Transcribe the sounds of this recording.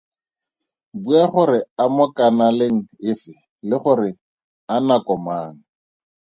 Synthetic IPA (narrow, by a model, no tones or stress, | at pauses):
buaχʊɾɪamɔkanalɪŋ̩ɪfɪ | lɪχʊɾɪ | anakɔmaːŋ̩